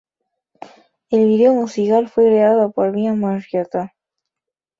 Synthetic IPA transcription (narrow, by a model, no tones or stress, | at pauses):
elβiðeomusikalfwekɾeaðopoɾβiamaʃjat̪a